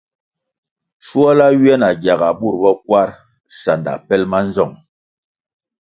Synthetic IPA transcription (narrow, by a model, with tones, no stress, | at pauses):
ʃu˦ɔ˦la˦ɥɛ˦na˨ɡja˨ɡa˨ɓu˦˨ɾbɔ˦k̚wa˦ɾ | sa˨nda̰˨pɛ˦lma˦n˦zɔ˦˨ŋ